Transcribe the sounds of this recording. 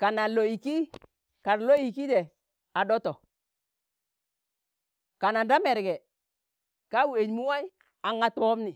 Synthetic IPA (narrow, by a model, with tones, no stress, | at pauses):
ka˨na˨lo˨i˨ki˦ | ka˨ɾlo˦i˨ki˦dɛ˨ | a˨dɔ˦tɔ˨ | ka˨na˨nda˦mɛ˨ɾɡɛ˨ | ka˦wu˦˨e˨ɲmu˦wa˦j | a˨ŋa˦˨tu˦ɔ˦mni˨